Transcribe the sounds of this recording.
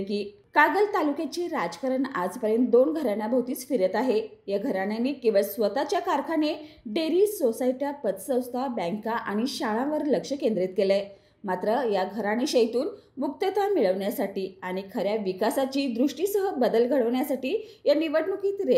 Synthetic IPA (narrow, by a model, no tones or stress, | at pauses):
kiː | kaɡəlt̪alukjat͡ɕiːɾad͡zkəɾəɳa̰d͡zpəɾjent̪̚d̪onɡʱəɾanjabʱawt̪iːt͡sfiɾjət̪aɦejaɡʱəɾanjanːiːkĩʋəɭsʋət̪at͡ɕjakaɾkʰaneɖeɾisosaiʈjapət̪sə̃w̃st̪ʰabɛ̃ŋkaʔaɽ̃iɕaɭãʋəɾləkʂəkẽnd̪ɾit̪̚kelẽ | mat̪ɾəjaɡʱəɾaniːɕəjt̪uːn | muk̚t̪ət̪ʋamiɭəʋɳjasaʈiːaɽ̃ikʰəɾjaʋikasat͡ɕiːd̪ɾuʂʈiːsəɦəbəd̪əlɡʱəɭəʋɳjasaʈiːjanːiʋəʈmukiːt̪ɾe